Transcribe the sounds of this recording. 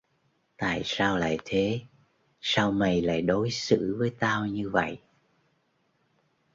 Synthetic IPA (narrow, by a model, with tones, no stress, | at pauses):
t̪a̰ː˧˨jsaː˧wla̰ː˧˨jt̪ʰe˨˦ | saː˧wmə˧˩jla̰ː˧˨jɗo˨˦jsɨ̰˧˥vəː˨˦jt̪aː˧wɲɨ˧və̰˧˨jʔ